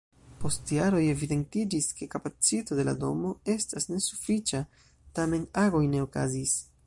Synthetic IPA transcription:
po̞stjaɾo̞je̞vide̞ntid͡ʒiske̞kapat͡sito̞dela̰do̞mo̞e̞stasne̞su̥fit͡ʃa | tame̞naɡo̞jne̞o̞ka̰zis

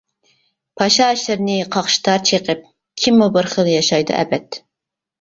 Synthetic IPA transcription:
pʰɑʃɑːʃlɪɾnɪqʰɑχʃi̥t̪ʰɑɾt͡ʃʰeqəp̚ | kʲʰimːubɪɾχəlˠjɑʃɑjd̪ɨ̰ʔɛ̰bɛt̪

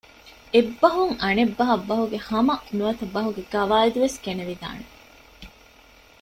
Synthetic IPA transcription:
ebːɐɦuŋɐnebːɐɦɐbːɐɦuɡehɐmɐnuɐt̪ɐbɐɦuɡeɡɐʋaːld̪uʋeskeneʋid̪a̰ːne

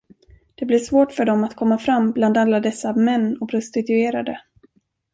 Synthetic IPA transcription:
d̪̥ɛblɪʂvoːʈfœɖɔmat̪kʰɔmːafɾamːbland̪alːad̪ɛsːamɛnːɔpʰɾʊst̪ɪt̪ɵeːɾad̪ə

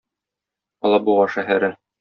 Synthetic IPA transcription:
ɒlˠɑbuʁɑʃæɦæɾɘ

